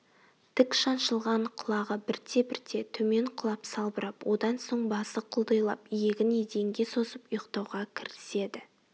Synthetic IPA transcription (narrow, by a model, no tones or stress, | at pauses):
t̪ʰɪkʃɑnʃəlˠʁɑɴqʰʊlˠɑʁəbɪɾt̪ʰe̞bɪɾt̪ʰe̞t̪ʰɵme̞ɴqʰʊlˠɑpsɑlˠbəɾɑpwʔo̞d̪ɑnso̞ɴbɑsəqʰʊlˠd̪ɑjlˠɑ̰pijeɡʲɪned̪e̞ŋɡʲe̞so̞səpʊjəqt̪ɑwʁɑkʲʰɪɾɪ̥se̞d̪ɪ